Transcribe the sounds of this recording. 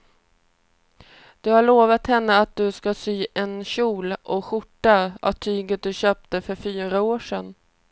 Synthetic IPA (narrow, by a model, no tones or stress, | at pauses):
d̪̥ɵhaɭoːvat̪hɛnːəat̪̚d̪ɵskasyːʔɛnɕuːlʔɔɧʊʈːaa̰vt̪ʰyːɡət̪̚d̪ɵɕøːp̚t̪əfœɾfyːɾaoːʂɛn